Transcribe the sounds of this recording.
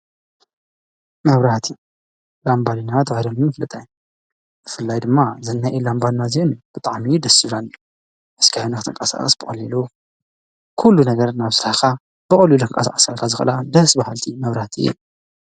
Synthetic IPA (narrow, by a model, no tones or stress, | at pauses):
mɐβɾat̪ʰi | lambalinat̪ʰɣaɾɐmiɨflɨt̪ʼaj | bɨfɨlːajd̪ɨmːazɨnːaʔilambalnazenub̥ɨt̪ʼaʕmid̪ɐsɨβlanːi | ʔɨskʰajonakɨt̪ʰɨŋkʼɐsa̰qʼɐ̰sbɨkʼɐlilu | kʰulːunɐɡɐɾnaβsɨɾahkʰa | b̥ɨkʼɐlːulɨŋkʼɐsa̰kʼɐsalkʰazɨxɐ̰lad̪ɐsbahalt̪ʰimɐβɾat̪ʰḭjɛ̰